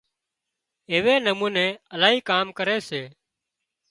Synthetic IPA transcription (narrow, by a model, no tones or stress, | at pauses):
eːʋeːnəmuːnẽːəlaːɦiːkaːmkəɾeːseː